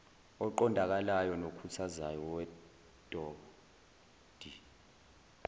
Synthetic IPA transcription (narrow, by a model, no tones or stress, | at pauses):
ɔǃɔndʱak̬alajɔnokʰutʰazajɔwɛ | tʼɔ | d̥ʱi